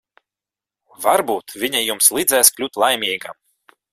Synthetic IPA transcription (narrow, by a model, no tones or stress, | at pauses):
vaɾbuːt̪vʲiɲɛjumslˠid̪zɛːsklʲut̪lˠajmʲiːɡa̰m